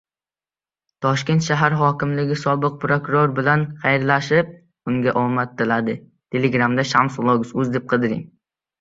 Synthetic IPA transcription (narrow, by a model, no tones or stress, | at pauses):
t̪ʰɒʃkʲe̞nt̪ʃaɦaɾɦɒkʲɪmlɪɡʲɪsɒbɨq̚pʰɾokʊɾoɾbɪlanχajɾlaʃɪp̚ | ʊŋɡʲaʔɒmat̪̚d̪ɪlad̪ɪ | t̪ʰe̞leɡɾamd̪aʃamslˠoɡʊsʊzd̪ep̚qʰɨd̪ɪɾɪ̰ŋ